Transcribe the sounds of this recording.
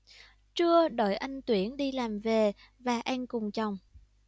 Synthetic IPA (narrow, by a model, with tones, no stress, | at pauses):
t͡ɕɨ˧əɗo˧˩jʔa˧jŋ̟t̪wi˧˦ənɗi˧laː˨˩mve˨˩ | vaː˨˩ʔɛ˧nkʊ˨˩ŋ͡mt͡ɕa˨˩wŋ͡m